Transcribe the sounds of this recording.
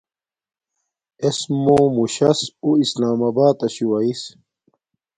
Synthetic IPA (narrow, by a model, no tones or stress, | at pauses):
esmomuɕɐsuislaːmɐbaːt̪ɐɕuwɐis